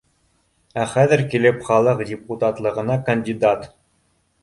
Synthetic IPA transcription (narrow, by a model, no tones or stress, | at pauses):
æχæðɘ̆ɾkilɘpχɑlˠɤqdʲɪput̪ɑt̪lˠɤ̆ʁɤ̆nɑkɐnʲdʲid̪at̪